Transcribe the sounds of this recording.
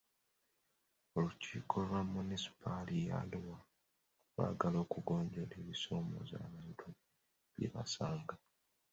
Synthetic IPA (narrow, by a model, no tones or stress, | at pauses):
oluciːkʰo̞lwamunisi̥pʰalija̰luwa | lwa̰ːɡalo̞ːkuɡo̞ːɲɟole̞βiso̞ːmo̞̰za̰ːβaːntʰu | βjḭβa̰saːŋɡa